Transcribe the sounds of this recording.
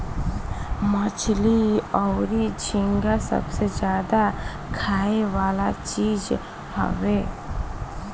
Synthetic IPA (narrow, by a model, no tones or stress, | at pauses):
mət͡ʃʰliɔʊɾid͡ʒʰʱĩŋɡasə̰bsed͡ʒjaːd̪a | kʰaːeʋaːlat͡ʃiːd͡ʒ | ɦə̰weː